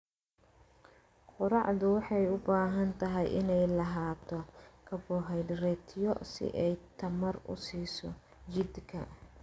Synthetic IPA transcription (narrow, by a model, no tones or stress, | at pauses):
qʊɾɑʕðʊwɑħɑjʊbaːɦɐnt̪ʰɐɦɛjʔɪnɛjlɐɦaːt̪ʰɔkʰɐbɔːɦɛjd̪rɛːt̪ʰɪjɔsɪ̰ʔɛjt̪ʰɐmɐrʊ̰siːsɔ̰ | t͡ʃɪd̪kʰɐ